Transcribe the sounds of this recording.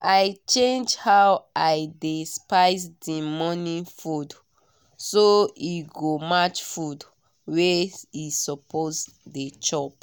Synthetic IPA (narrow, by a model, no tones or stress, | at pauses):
ʔajt͡ʃẽnd͡ʒhawajdespaɪs̬dimɔnĩfud | soiɡomat͡ʃfud | weisɔpʰos | det͡ʃɔp̚